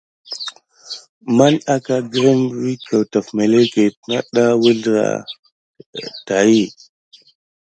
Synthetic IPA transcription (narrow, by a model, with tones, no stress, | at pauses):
ma˦na˦ka˦ɡɾe˦n˨ɾi˦ka˨wta˨fme˨le˦ke˨pna˦ɗa˦wə˦ɮɾa̰˨ | ta˨ji˦˨